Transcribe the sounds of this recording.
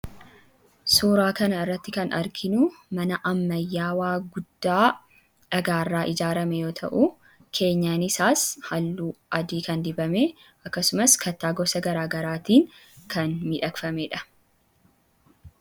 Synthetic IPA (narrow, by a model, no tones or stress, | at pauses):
suːɾaːkɐnɐɪrːɐt̪ːɪkɐnɐ̰ɾkʰɪnumɐnɐʔɐmːɐjːaːwaːɡʊd̪ːaː | ᶑɐɡaːrːaːʔɪd͡ʒaːɾɐmɛjo̞ːt̪ʰɐ̰ʔu | kʰe̞ːɲːaːnɪsaːshɐlːuːʔɐd̪iːkɐnd̪ɪbɐmeː | ʔɐkːɐsʊmɐskɐt̪ːaːɡɔsɐɡɐɾaːɡɐɾaːt̪iːŋ | kʰɐnmɪᶑɐkfɐmeᶑɐ̥